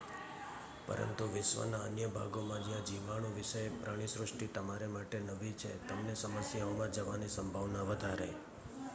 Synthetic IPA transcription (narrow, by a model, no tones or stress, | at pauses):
pə̰ɾə̰nt̪uʋɪʃʋə̰naənjəbʱa̰ɡomãd͡ʒjãd͡ʒiʋaɽ̃ũʋɪʃəjpɾaɽ̃isɾʊʂʈit̪əmaɾemaʈenəʋit͡ʃʰḛt̪əmnesəməsjaomãd͡ʒəʋanisəmbʱaʋnaʋəd̪ʱaɾe